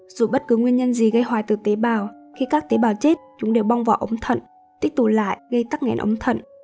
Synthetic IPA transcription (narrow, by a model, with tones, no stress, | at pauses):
z̥ṵ˧˩ɓə˦˥t̚kɨ˨˦ŋwi˧ənɲə˧nzi˨˩ɣə˧jhwaː˨˩jt̪ɨ˨˩t̪e˨˦ɓaː˨˩wxi˧kaː˦˥k̚t̪e˨˦ɓaː˨˩wt͡ɕe˦˥t̚t͡ɕʊ˨˦ŋ͡mɗe˨˩wɓa˧wŋ͡mva̰ː˨˩wʔə˨˦ŋ͡mt̪ʰə̰˧˨n | t̪i˦˥ək̚t̪ʊ˨˩la̰ː˧˨jʔɣə˧jt̪a˦˥k̚ŋɛ̰˧˩˦nʔə̰˨˦wŋ͡mt̪ʰə̰˧˨nʔ